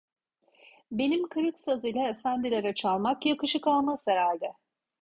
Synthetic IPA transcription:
be̞nimkʰɯɾɯksazɯjlʲˠaefænd̪ilʲeɾɛt͡ʃʰalˠmakjakɯʃɯkalˠmaseɾælʲd̪ɛ

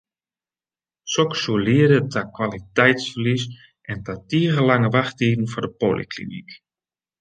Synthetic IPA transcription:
sɔksuəliədətʰakwalitɛjtsfərlis | ʔɛntatiəɣəlaŋəʋaxtiːdn̩fɔdəpolḭklḭnḭk

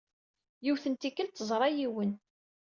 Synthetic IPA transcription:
juwθənt̪ikːəlt̪ːəzˤɾˤɑjiwən

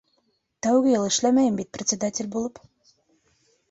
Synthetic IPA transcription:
t̪æwɡɘ̆jɤlˠɘ̆ʃlæmæjɘmbit̪̚prʲɪt̪ʲsʲɪd̪atʲɪlʲbulˠɤp

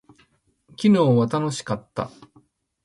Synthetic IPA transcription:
kʲino̞ːβat̪ano̞ɕi̥kat̪ːa̰

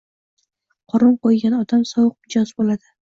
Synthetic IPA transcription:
qʰɒɾʊnqojɡʲanɒd̪amsɒwɨq̚mɪd͡ʒɒzbolad̪ɪ

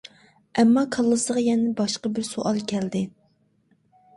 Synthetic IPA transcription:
ɛmːɑkʰɑlˠːɨsəʁɑjɛnɪbɑʃqɑbɪɾsoʔɑlˠkʲʰɛld̪ɪ

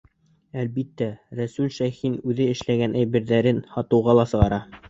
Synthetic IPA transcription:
ælbit̪ːæɾæsʉlʃæjxinʉðɘɘ̆ʃlæɡænʔæjβɘ̆ɾðæɾɘnhɑt̪ɤ̆wʁɑlˠɑsɤ̆ʁɑɾɑ

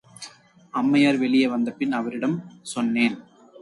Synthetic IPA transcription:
ɐmːɐjaːɾʋɛɭɪjɐʋɐnd̪ɐpːɪnɐʋɐɾɪɽɐmsɔnːeːn

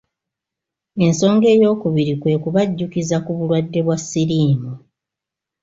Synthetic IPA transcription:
e̞nso̞ːŋɡe̞ːjo̞ːkuβiɾikwe̞ːkuβaɟːukizakuβulwadːe̞βwasːiɾiːmu

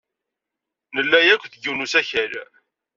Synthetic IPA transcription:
nəlːæjækʷːθəɡunusæçæl

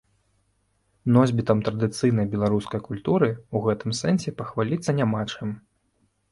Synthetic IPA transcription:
nɔzʲbʲit̪ɐmt̪ɾɐd̪ɨt̪sɨjnɐjbʲɛlˠaɾuskɐjkulʲt̪uɾɨuɣɛt̪ɨmsɛnsʲɛpɐxvalʲit̪sɐnʲamat͡ʂɨm

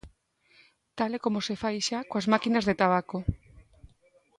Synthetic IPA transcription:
t̪alekomosefajʃakoazmakinazðet̪aβ̞ako

